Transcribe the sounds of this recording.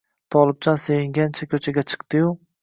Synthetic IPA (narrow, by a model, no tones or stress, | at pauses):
t̪ʰɒlˠɪb̚t͡ʃʰɒnsejɪŋɡʲant͡ʃʰakʲʰɵt͡ʃʰaɡʲat͡ʃʰɨ̥qt̪ɪju